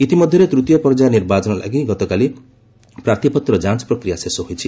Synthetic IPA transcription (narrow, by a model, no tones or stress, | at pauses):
it̪imɔd̪ʱjɔɾet̪ɾut̪ijɔpɔɾd͡ʒaniɾbat͡ʃɔnɔla̰ɡiɡɔt̪ɔkali | pɾaɾt̪ʰipɔt̪ɾɔd͡ʒãnt͡ʃpɾɔkɾijasesɔɦojt͡ʃʰi